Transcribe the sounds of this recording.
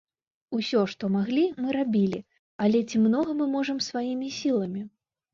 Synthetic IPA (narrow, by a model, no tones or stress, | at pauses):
usʲɔʂt̪ɔmaɣlʲimɨɾabʲilʲi | ɐlʲɛt͡sʲimnɔɣɐmɨmɔʐɐmsvajimʲisʲilˠɐmʲi